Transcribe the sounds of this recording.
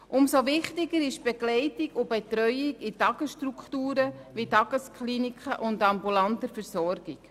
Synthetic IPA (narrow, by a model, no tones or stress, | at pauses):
ʔʊmsoʋɪχtɪɡəɾɪʃb̥ɛɡlɛɪtiɡʊbɛtɾœʏɪɡɪtɑɡəsʃtɾukχtuːɾəʋitɑɡəskχlinikχəʔʊndɑmbulɑntəɾfɛɾsɔɾɡ̥ik